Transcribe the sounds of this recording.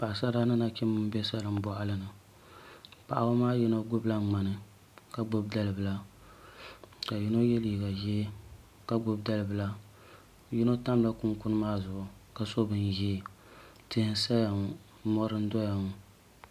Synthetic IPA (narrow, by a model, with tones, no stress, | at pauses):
pa˨ʔa˨sa˦daː˦nɨ˦na˦kɪ˦mɨ˦m˦bɛ˦sa˦lɨ˨m̩˦bɔ˨ʔa˦lɨ˦nɨ˨ | pa˨ʔa˨bo˦maː˦ji˦no˦ɡʊ˦bla˦ŋ͡ma˨nɨ˨ | ka˦ɡ͡bʊ˦b̚da˦lɨ˨bɨ˨la˦ | ka˨ji˦no˦jɛ˦li˨ɡa˨ji˦ | ka˦ɡ͡bʊ˦bda˦lɨ˨bɨ˨la˦ | ji˦no˦ta˦mla˦kʊ˦ŋkʊ˦nɨ˦maː˦zʊ˨ʔʊ˨ka˨so˦bɨ˨n˨ji˦ | tɨ˦hɨ˦sa˦ja˨ŋ˨˦ | mɔ˦ɾɨ˦n̩˦dɔ˦ja˨ŋ˨